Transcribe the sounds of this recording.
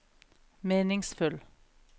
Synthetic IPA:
meːnɪŋsfʉl

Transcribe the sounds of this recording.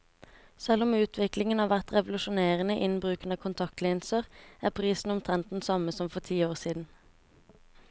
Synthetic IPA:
sɛlʊmʉːt̪ʰʋɪklɪŋənɑːʋæʁt̪ʁɛʋʊlʉʃʊneːʁənəʔɪnbʁʉːkənɑkʰʊnt̪ʰɑkt̪liːnsəʁæːpʰʁiːsn̩ʊmt̪ʰʁɛnt̪n̩sɑməsɔmfɔʁt̪ʰiːoːʁsiːd̪n̩

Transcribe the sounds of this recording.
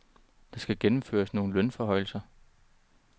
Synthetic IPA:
d̥ɑ̈sɡ̥æɡ̥enm̩fø̰ːɐsno̝ːn̩lœnfɒ̽ɦɒ̽ɪl̩sɐ

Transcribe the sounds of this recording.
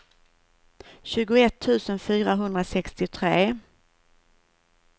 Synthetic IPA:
ɕʉ̟ːɡʊɛt̪ʰːʉ̟ːsənfyːɾaɦɵnd̪ɾasɛkst̪ɪt̪ʰɾeː

